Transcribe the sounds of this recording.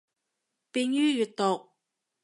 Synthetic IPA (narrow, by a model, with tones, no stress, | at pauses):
pi˧njyː˥jy˨t̚t̪o˨˩k̚